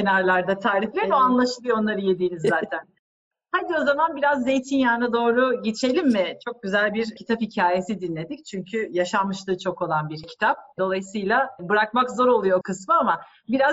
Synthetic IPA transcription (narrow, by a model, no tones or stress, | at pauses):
enaɾlˠaɾd̪at̪ʰaːɾiflʲeinoanlˠaʃɯlˠɯjoo̞nlˠaɾɯje̞d̪iːnizːaːt̪ʰæn | had̪io̞zamanbiɾazːe̞jt̪ʰinjaːnad̪o̞ːɾuɟe̞t͡ʃʰe̞lʲimːɪt͡ʃʰo̞k̚ɟyzælʲbiɾcʰi̥t̪ʰaphicʰaːje̞sid̪inlʲe̞d̪ict͡ʃʰyɲcʰyjaʃamːɯʃt̪ˠɯːt͡ʃʰo̞ko̞lˠanbiɾcʰi̥t̪ʰap̚d̪o̞lˠajɯsɯjlˠabɯɾak̚makzo̞ɾo̞lˠujo̞kʰɯsmɯama | biɾaz